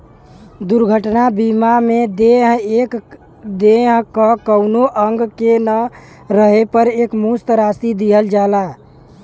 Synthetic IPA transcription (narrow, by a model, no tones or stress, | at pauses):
d̪uɾɡʱəʈnabimamed̪eɦek | d̪eɦkəkəʊnoʔəŋɡkenə | ɾəɦepəɾekmust̪ɾast̪id̪iɦəld͡ʒala